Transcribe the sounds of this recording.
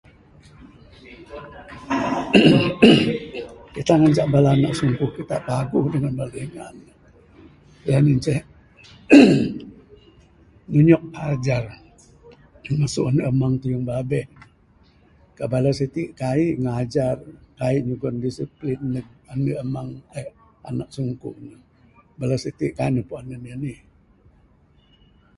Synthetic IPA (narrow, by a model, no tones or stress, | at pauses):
kit̪aŋant͡ʃaʔbalanaʔsumpʊhkit̪aʔpaɡuhdəŋanbaliŋa̰n | janiɲt͡ʃɛh | nuɲɔk̚ad͡ʒar | masuʔanəʔəmaŋt̪ujuŋbabɛʔ | kabalasit̪iʔkaiŋad͡ʒarkaiɲuɡəndisiplinːəɡ̚anəʔəmaŋə | a̰naksuŋkṵʔnə | balasit̪iʔkainəpuanənianih